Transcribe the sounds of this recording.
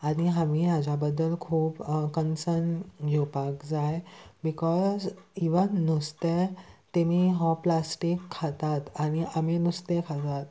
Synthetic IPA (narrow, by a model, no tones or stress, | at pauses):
aɽ̃iɦamiːɦad͡ʑabəd̪ːəlkʰuːpkənsənɡʱewpakd͡zajbikɔziʋənːust̪et̪emiːɦɔ̃plasʈikʰːat̪at̪añiʔaminust̪ekʰat̪at̪